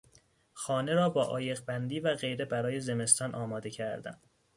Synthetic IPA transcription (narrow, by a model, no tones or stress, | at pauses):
xɒːne̞ɾɒːbɒːʔɒːje̞ɣbænd̪iːvæɣe̞jɾe̞bæɾɒːje̞ze̞me̞st̪ɒːnʔɒːmɒːd̪e̞cʰæɾd̪æ̰n